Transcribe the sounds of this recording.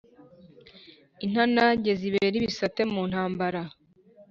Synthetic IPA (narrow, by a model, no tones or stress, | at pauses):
in̥hanaɲɟeziβeɾiβisate̞muːn̥haːmbaɾa